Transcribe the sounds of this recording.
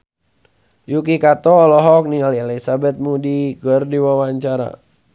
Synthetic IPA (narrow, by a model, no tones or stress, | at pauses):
jukikat̪ɔːlɔɦɔk̚nialialisabɛt̪̚mudiɡɔrdiwawaɲt͡ʃaɾa̰